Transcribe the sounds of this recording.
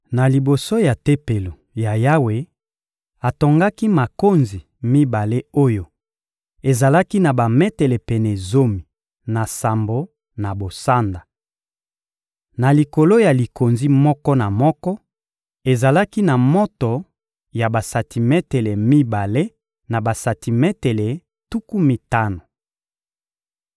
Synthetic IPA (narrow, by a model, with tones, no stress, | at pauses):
na˨li˨bo˨so˦ja˨te˦pe˨lo˨ | ja˨ja˦we˨ | a˨to˨ŋɡa˦ki˦ma˨ko˦nzi˨ | mi˦ba˨le˦o˦jo˨ | e˨za˨la˦ki˦na˨ba˨mɛ˦tɛ˨lɛ˨pɛ˨nɛ˨zo˦mi˨ | na˨sa˨mbo˨ | na˨bo˨sa˦nda˨ | na˨li˨ko˨lo˦ja˨li˨ko˨nzi˦mɔ˦kɔ˦na˨mɔ˦kɔ˦ | e˨za˨la˦ki˦na˨mɔ˦to˨ | ja˨ba˨sa˨tʰi˨mɛ˦te˨le˨mi˦ba˨le˦ | na˨ba˨sa˨ti˨mɛ˦te˨le˨ | tu˦ku˦mi˨ta˦no˨